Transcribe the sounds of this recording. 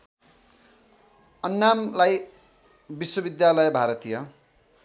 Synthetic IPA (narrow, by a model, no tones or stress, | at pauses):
ʌnːamlaj | biswʌbid̪jalʌjbʱaɾʌt̪ijʌ